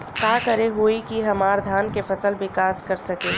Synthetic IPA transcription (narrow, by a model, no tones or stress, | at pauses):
kaːkɐɾeɦoikiɦɐmaːɾd̪ʱaːnkefɐsəlʋɪkaːskɐɾsɐkeː